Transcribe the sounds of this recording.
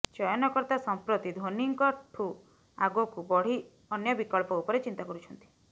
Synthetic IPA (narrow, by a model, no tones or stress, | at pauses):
t͡ʃɔjɔnɔkɔɾt̪asɔmpɾot̪id̪ʱoniŋkɔʈʰu | aɡokubɔɽ̤i | ɔnjɔbikɔɭpɔupɔɾet͡ʃint̪akɔɾut͡ʃʰɔnt̪i̥